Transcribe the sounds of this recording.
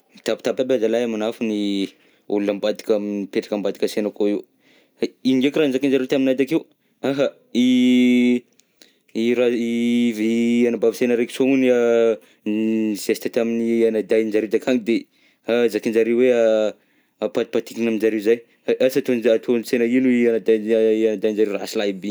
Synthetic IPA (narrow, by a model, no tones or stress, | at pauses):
t̪apt̪apabazalajamanafuni | ṵlunambad̪i̥kaminipeʈ͡ʂḁkambad̪i̥kəsenəkoiwu | iiŋɡekiranzakind͡ʒaɾewt̪aminad̪akew | aɦa | i | iɾaivianabavisenəɾeki̥soŋunia | z̥esit̪at̪aminianad̪ajnd͡ʒaɾewd̪akʰaŋid̪e | azakind͡ʒaɾewwea | apad̪i̥pat̪ikinaminzaɾewzaj | ʔasat̪onat̪ʰonsenəinuianad̪aanad̪ajnd͡ʒaɾewɾa̰silaibi